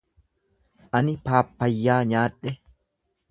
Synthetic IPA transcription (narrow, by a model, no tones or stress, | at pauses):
ʔɐnɪpaːpːɐjːaːɲaːᶑɛ